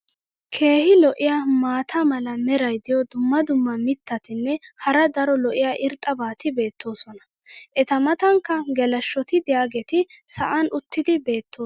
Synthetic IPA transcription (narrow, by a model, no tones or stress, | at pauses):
kʰe̞ːhɪlɔʔɪjaːmaːt̪ʰamɐlɐmɛɾɐjd̪ɪjɔd̪ʊmːɐd̪ʊmːɐmɪt̪ːɐt̪ɪnːɛhɐɾɐd̪ɐɾɔlɔʔɪjaːʔɪɾt̪ʼːɐbaːt̪ɪbe̞ːt̪ːo̞ːsɔnɐ̥ | ʔɛt̪ɐmɐt̪ɐŋkːɐɡɛlɐʃːɔt̪ɪd̪ɪjaːɡɛt̪ɪsɐʔanʔʊt̪ːɪd̪ɪbe̞ːt̪ːoː